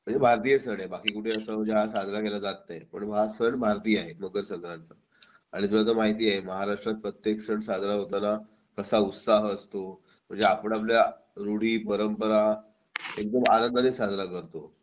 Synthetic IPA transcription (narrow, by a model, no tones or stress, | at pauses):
m̤əɳd͡zebʱaɾt̪̬ijəsəɳabakiːkuʈʰeəsəːm̤əɳd͡zeɦasad̪ʱnakelad͡zat̪ːapəɳʋasəɳbʱaɾt̪iːaɦeməɡəɾsəŋɡɾant̪ə | a̰ɽ̃it̪ulat͡səmaɦit̪̬iːaɦeməɦaɾaʂʈɾat̪̚pɾət̪jeksəɳsad̪ʱnaɦot̪ana | kəsaut̪saɦəst̪o | m̤əɳd͡zeapəɳap̬lja | ɾuɽ̤iːpəɾəmpəɾa | ek̚d̪əma̰nənd̪ənisad̪ʱnakəɾt̪o